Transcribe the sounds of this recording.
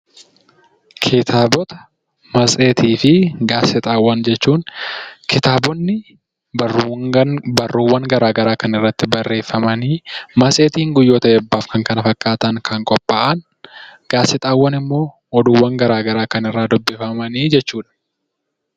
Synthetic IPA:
kʰeːt̪ʰaːbɔt̪ɐ̥ | mɐsʼeːt̪iːfɪɡaːsɪt̪ʼaːwːɐnd͡ʒɛt͡ʃːuːŋkɪt̪aːbɔnːɪ | bɐrːuːwːɐŋɡɐɾaːɡɐɾaːkɐnɪrːɐt̪ːɪbɐrːe̞ːfːɐmɐniːmɐsʼeːt̪iːŋɡʊjːoːt̪ɐɛbːaːfkɐŋkɐnɐfɐkʼːaːt̪ɐŋkʰɐŋkʼɔpʼːaːʔɐn | ɡ̥aːsɪt̪ʼaːwːɐnɪmːo̞ː | ɔd̪uːwːɐŋɡɐɾaːɡɐɾaːkɐnɪrːaːd̪ɔbːɪfɐmɐniːd͡ʒɛt͡ʃːuːᶑɐ̥

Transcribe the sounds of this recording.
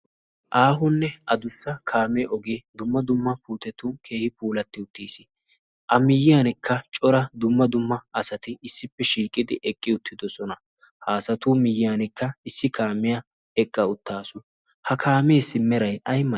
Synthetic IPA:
ʔaːɦʊnːɛʔɐd̪ʊsːɐkʰaːmɛʔɔɡed̪ʊmːɐd̪ʊmːɐpuːt̪ɛt̪ʊkʰe̞ːhɪpuːlɐt̪ːɪʊt̪ːiːsɪ | ʔɐmɪjːɪjaːnɪkʰːɐt͡ʃʼɔɾɐd̪ʊmːɐd̪ʊmːɐɐsɐt̪ɪɪsːɪpːɛʃiːkʼɪd̪ɪʔɛkʼːɪʊt̪ʰːɪd̪ɔsɔnɐ | haːsɐt̪uːmɪjːɪjaːnɪkːɐɪsːɪkʰaːmɪjɐ | ɛkʼːɐʊt̪ːaːsʊ | hɐkʰaːmeːsːɪmːɛɾɐjʔɐjmɐ

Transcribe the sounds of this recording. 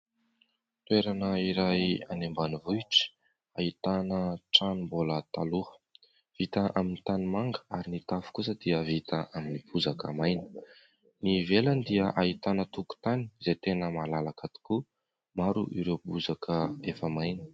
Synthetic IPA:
t̪weɾanəiɾaja̰nembanivuiʈ͡ʂi̥ | ait̪anəʈ͡ʂanimbolət̪aluə̥ | v̥it̪əʔaminit̪animaŋɡəaɾinit̪afu̥kusəd̪̥iəvit̪əaminibuzakə̰majnə̥ | niveland̪iəʔait̪anət̪uku̥t̪ani̥zet̪enəmalalakat̪i̥ku | maɾuʔiɾewb̥uzakʰəefəmajnə̥

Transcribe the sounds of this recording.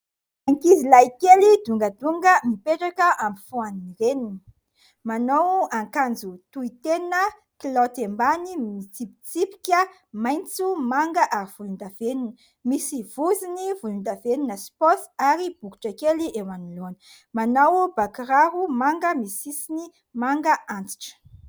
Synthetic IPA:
aŋkizilajkelid̪uŋɡəd̪uŋɡəmipeʈ͡ʂakəʔamifuanniɾenini̥ | manowaŋkand͡zut̪uit̪enə | klot̪embanimit͡sipit͡sipi̥kʲə | majnt͡sumaŋɡəʔaɾiv̥ulund̪aveninə | misiv̥uzinivunund̪aveninəspɔsaɾib̥uku̥ʈ͡ʂakeliʔewaniloani | manawbakɾaɾumaŋɡəmisisini | maŋɡəʔant͡si̥ʈ͡ʂə̥

